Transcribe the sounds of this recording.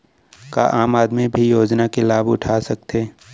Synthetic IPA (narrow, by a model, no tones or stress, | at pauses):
kaʔaːmaːd̪mebʱijoːd͡ʒnakelaːbʊʈʰaːsɐk̚t̪eː